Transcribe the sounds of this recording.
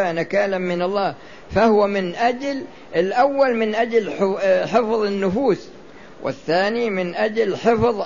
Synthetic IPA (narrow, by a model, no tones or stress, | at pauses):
anakaːlamːɪnɑlˤːɑː | fahʊwamɪnʔad͡ʒl | ɪlʔawːalmɪnʔad͡ʒlħɪfðˤɪnːʊfuːs | wʔɪ̰θːaːnimɪnʔad͡ʒlħɪfðˤ